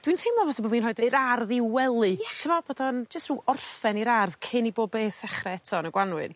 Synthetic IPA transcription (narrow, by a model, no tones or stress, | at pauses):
d̥wintʰemɔvaθaboːviːnrɔɨdɨɾarðiwɛlˠɨtʰəmɔb̥oːdɔnd͡ʒəstruɔrfɛniɾarðkʰɪniboːb̚beːθɛχrɛɛtʰɔnəɡwanwɨ̰n